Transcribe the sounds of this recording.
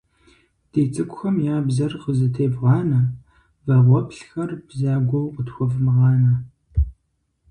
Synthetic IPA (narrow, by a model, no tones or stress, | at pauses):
d̥eːt͡sʼɨkʷʊxɐmjaːbzɐrqəzɨtʰeːbʁɑːnɐ | vɐʁʷɔpɬxɐrbzaːɡʷowʔʷʊtxʷɔvmɨʁɑːnɐ